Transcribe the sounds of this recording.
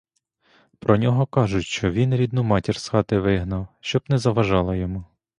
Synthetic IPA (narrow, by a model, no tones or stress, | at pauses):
pɾɔnʲɔɦɔkɑʒʊʃt͡ʃɔʋʲinɾʲid̪numɑtʲirsxɑt̪ɪʋɪɦnɐwʃt͡ʃɔbnɛzɐʋɐʒɑlˠɐjɔmu